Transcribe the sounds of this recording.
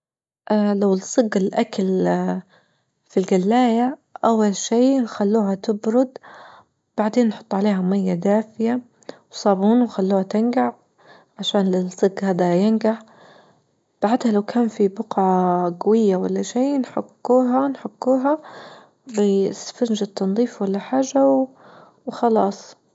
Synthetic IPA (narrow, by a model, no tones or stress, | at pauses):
ʔalawɪsˤɨɡɪlʔakal | filɡalːaːjaʔawːalʃiːnxalːuːɦat̪ɪbɾʊd̪ | b̥aʕd̪eːnːħʊ̥t̪ˤːʕaleːɦamajːad̪aːfɪja | wsˤɑːbuːnwxalːuːhat̪ɪnɡaʕ | ʕaʃaːnlɪsˤɨɡhaːd̪ajɪnɡaħ | b̥aʕɪd̪halawkʰaːnfibʊqʕɑɡawɪjːawalːaʃeːnħʊkːuːɦanħʊɡːuːɦa | bɪsfand͡ʒɪt̪ːɑnðˤiːfwalːaħaːʒːaw | wxɑlɑːsˤ